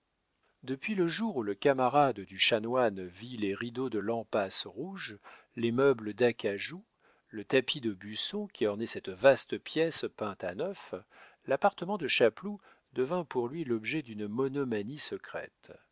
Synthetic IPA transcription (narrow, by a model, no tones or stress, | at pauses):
d̪əpɥiləʒuʁuləkamaʁad̪d̪yʃanwanvileʁid̪od̪əlɑ̃pasʁuʒ | lemœbləd̪akaʒu | lət̪apid̪əbysɔ̃kʲiɔʁnɛsɛt̪vast̪əpjɛspɛ̃t̪anœflapaʁt̪əmɑ̃d̪əʃaplu | d̪əvɛ̃puʁlɥilɔbʒɛd̪ynmɔnɔmanisəkχɛ̰t̪